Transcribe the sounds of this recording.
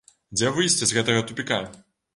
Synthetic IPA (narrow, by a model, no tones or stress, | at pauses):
d͡zʲɛvɨjsʲt͡sʲɛzʲɣɛt̪ɐɣɐt̪upʲika